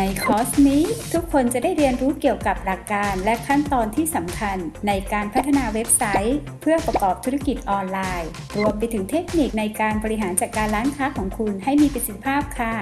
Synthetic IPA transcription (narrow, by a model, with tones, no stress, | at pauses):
na˧jkʰɔː˦˥sniː˦˥t̪ʰu˦˥kʰːo˧nt͡ɕa˨˩da˥˩jɾi˧ənɾuː˦˥ki˨˩əwka˨˩p̚la˨˩kːaː˧nlɛ˦˥kʰa˥˩nt̪ɔː˧nt̪ʰiː˥˩sa˩˦mkʰa˧nːa˧jkaː˧npʰa˦˥t̪ʰːa˧naː˧we˦˥p̚sa˦˥j | pʰɯ˥˩əpɾa˧kɔː˨˩p̚t̪ʰu˦˥ɾa˧ki˨˩t̪̚ʔɔː˧nlaː˧j | ɾu˧əmpe˧t̪ʰɯ˩˦ŋt̪ʰe˦˥k̚ni˨˩k̚na˧jkaː˧nbɔː˧ɾi˧ɦaː˩˦nt͡ɕaː˨˩kːaː˧nɾaː˦˥nkʰaː˦˥kʰɔː˩˦ŋkʰu˧nha˥˩jmiː˧pi˨˩t̪si˧t̪ʰi˧˥pʰaː˥˩p̚kʰa˥˩